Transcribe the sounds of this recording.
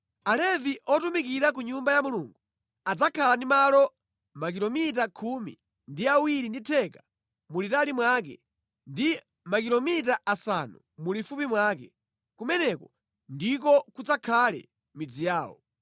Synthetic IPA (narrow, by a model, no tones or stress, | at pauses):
alɛviʔɔtumikiɾakuɲumbajamuluːŋɡu | ad͡zakʰalandimalɔ | makilɔmitakʰumḭ | ndiawiɾinditʰɛka | mulitalimwak̬ɛ̰ | ndi | makilɔmitaʔasa̰nu | mulifupimwakɛ | kumɛnɛkɔ | ndik̬ɔkud͡zakʰalɛ̰ | mid͡zijaːwɔ̰